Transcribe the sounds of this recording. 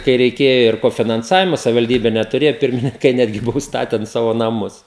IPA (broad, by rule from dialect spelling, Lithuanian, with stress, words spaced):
kɐɪ rʲɛɪˈkʲeːjoː ɪr koːfʲɪnɐnˈsɑːʋʲɪmoː sɐʋʲɪʋɐlʲˈdʲiːbʲɛ nʲɛtʊˈrʲeːjoː ˈpʲɪrʲmʲɪnʲɪŋkɐɪ ˈnʲæːdʲɡʲɪ ˈbʊʋoː ʊʃsˈtɑːtʲɛn ˈsɑːʋoː nɐˈmʊs